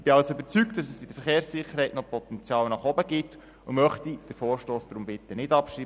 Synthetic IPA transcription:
b̥ɪɑlsʏbəɾt͡syk̚td̥ɑsɛsb̥ɪd̥̪əɾfəɾχeːɾssɪχəɾɦɛɪtnɔpɔt̪ɛnt͡sjɑːlnɑχɔbəɡɪt̪ | ʊmœχtid̥əfoːɾʃtoːsd̥ɾʊmbɪtənɪdɑpʃɾiː

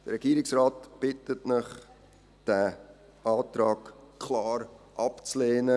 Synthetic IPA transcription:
d̥əɾɛɡ̥iːɾɪksraːtb̥ɪtətnɪχ | d̥æ | ʔaːtɾɑːkkʰlɑːɾʔɑpt͡sleːnə

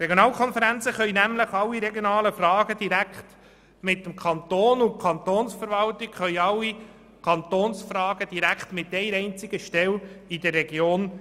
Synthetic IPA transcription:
ɾeɡjonɑːlkʰɔnfəɾænt͡səχœʏjnæmləχɑlːiɾɛɡjonɑːləfrɑːɡ̥əd̥̪iɾækχt | mɪt̪ːəmkʰɑnt̪oːnʊnkʰɑnt̪oːnsfəɾʋɑlt̪ɪkχœʏɑlːi | kʰɑnt̪oːnsfrɑːɡəd̥iɾækχt̪mɪt̪ːɛɪɾɛɪnt͡sɪɡ̥əʃtɛlid̥ərːɛɡjoːn

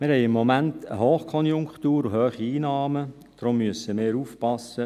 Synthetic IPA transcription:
mɪɾhɛɪɪmːɔmæntə̰ɦoːχkʰɔnjʊŋkχtuːɾuɦøːχiiːnɑːmə | d̥rʊmːyəsəmɪːɾuːfpɑsːə

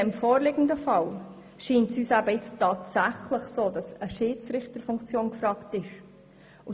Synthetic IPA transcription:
ɛmfoːɾlɪɡən̩dəfɑl | ʃiːntsyːsæbəɪt͡stɑːtsæχləχsoːdɑsəʃiːt͡sɾɪχtəɾfʊŋkt͡sjoːnkfɾɑːktɪʃ | ʊ

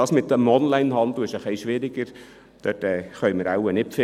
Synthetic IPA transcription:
ɑːsmɪt̪ːəmɔnlæɪnɦɑnd̪l̩ɪʃəχliʃʋɪɾiɡəɾ | d̪̥øtɛːχœjməɾawənɪfɪ

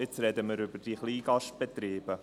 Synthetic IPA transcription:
ɪt͡sɾɛdəməɾʏbəd̥iχliːɡɑʃt̚b̥et̪ɾiːb̥ə

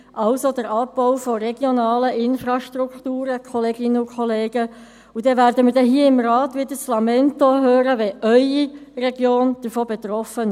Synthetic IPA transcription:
ʔɑwsod̥̪əɾɑpːɔʊfɔɾɛɡ̥jonɑːləʔɪnfɾɑʃtɾukt̪uːɾəkʰɔleːɡ̥ɪnəukʰɔleːɡ̥ə | ud̥ɛʋæːɾdəmɪɾdɛɦiəɪmɾɑːtʋɪd̪əslɑmɛnt̪oɦøːɾəʋɛʔœʏirɛɡjoːnd̪̥əɾfoːbɛt̪ɾɔfən

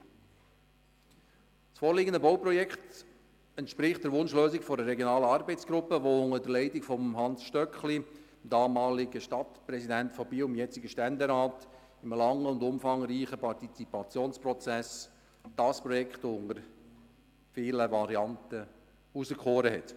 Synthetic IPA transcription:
sfoːɾliːɡəndəboʊprɔjɛkχt | ɛntʃpɾɪχtd̥əɾʋʊnʃløːsɪkfɔɾəɾɛɡjonɑːləɑɾbɛɪt͡sɡ̥ɾʊpːəʋoʊŋədəlɛɪtɪkfɔmɦɑnsʃtœkχli | d̥ɑːmɑːlɪɡəʃtɑtpɾɛsidæntfɔb̥iːʊmjɛt͡sɪɡəʃtændəɾaːt | ɪmlɑŋːəʊndʊmfɑŋɾiːχəpʰɑɾtit͡sipɑt͡sjoːnsprɔt͡sæs | d̥ɑːspɾɔjɛkχtoʊŋəɾ | fiːləvɑɾiɑntə | uzəkχoːɾəɦɛt

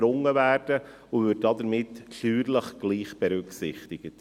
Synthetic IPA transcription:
ɾʊŋːəvæːɾd̥ə | ʊʋʏːtdɑdəɾmɪtːʃyːɾləχɡ̥liːχb̥ɛɾʉksɪχt̪ɪɡ̥ət

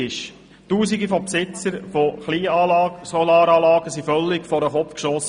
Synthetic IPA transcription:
ɪʃ | tuːsiɡifɔpsɪt͡səɾfoχliːɑsɔlɑːɾɑːlɑːɡəsifœlːɪkfɔɾəχɔfkʃɔs

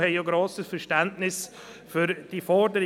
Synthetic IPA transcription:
hɛɪjoɡɾoːsəsfɛʃtɛndnɪs | fʏɾd̥ifɔɾdəɾ

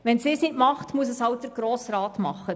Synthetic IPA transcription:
ʋɛnsɪːsnɪtmɑχtmuəs̬əshɑw̚dəɾɡ̥ɾoːsrɑːt̪mɑχːə

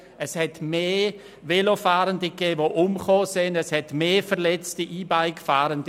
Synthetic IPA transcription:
ɛshɛtmeː | velofaːɾəndəɡeːvoʔʊmχoːsɪndɛshɛtmeːfɛʁlɛt͡stəʔiːbaɪkfaːɾənd

